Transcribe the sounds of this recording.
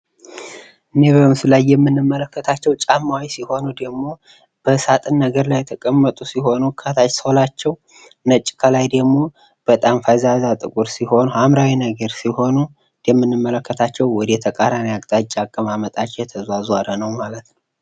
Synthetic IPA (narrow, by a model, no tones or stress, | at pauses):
ʔɨnebəɨmsɨlajːɛmːɨnːɨmːələkʰːət̪ʰat͡ʃːɛwt͡ʃʼamːawisiho̞nud̪əɡmo̞ | b̥əsat̪ʼɨnːəɡəɾlajːɛt̪ʰəkʼəmːət̪ʼusiɦo̞nukʰət̪ʰat͡ʃsolat͡ʃːɛw | nət͡ʃʼːkʰəlajd̪əɡmo̞ | b̥ət̪ʼamfajzazat̪ʼɨkʼuɾsiho̞nhamɾawinəɡəɾsiho̞nu | jɛmːɨnːɨmːələkːət̪ʰat͡ʃːɛwːɔd̪jɛt̪ʰəkʼaɾanjaɡt̪ʼat͡ʃʼːakʼːəmamət̪ʼat͡ʃːɛjɛt̪ʰəzwazwaɾənəwmalət̪nəw